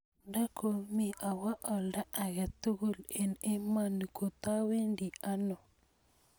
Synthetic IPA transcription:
da˦kʰo˨mi˦ʔa˨wa˦ʔɔ˨lda˦a˨ɣɛ˨t̪u˦ɣu˦le˨ne˦ma˦˨n˨ko˨t̪a˦we˦ndi˨a˦nɔ˨

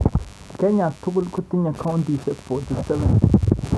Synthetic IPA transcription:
ke˦ɲã˨t̪u˦ku˦lku˦t̪i˦ɲã˨kʰa˦wnd̪i˨ʃe˦fo˨t̪i˨se˦be˨n

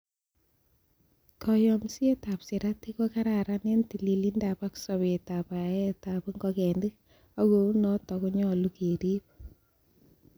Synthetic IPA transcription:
kɔ˨jɔmsi˦e˦ta˨psi˨ɾa˦ti˦ko˦ka˦ɾa˨ɾa˦ne˦nti˨li˨li˦ndapa˦ksɔ˨βe˨ta˨pa˨ɛ˦ta˨pŋɡɔ˦kɛ˨ndi˦k | a˦ɡou˦nɔ˦tɔ˨ku˦ɲɔ˦lu˦ke˨ɾi˦p̚

